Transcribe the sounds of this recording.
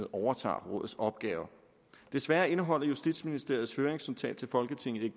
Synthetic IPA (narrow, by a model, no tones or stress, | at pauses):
ð̩ˠʔɒʊɐt͡sʰɑ̰̈ːʁɔ̽ðð̩ˠsɒ̽b̥ɡ̥ɛːʊɐ | d̥e̝sʋæːɐe̝nəɦɒ̽l̰ɐjusd̥id̥sminisd̥e̝ɐð̞̩ˠshøːɐʁeŋsynt͡sʰɛ̰ːd̥t͡sʰe̝lfɒ̽lɡ̥ət͡sʰe̝ŋ̰ð̩ˠe̝̥